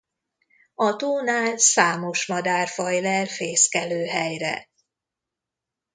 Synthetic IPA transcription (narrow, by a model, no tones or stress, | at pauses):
ɒt̪oːnaːlsaːmo̞ʃmɒd̪aːrfɒjlɛlfeːskɛløːɦɛjrɛ̰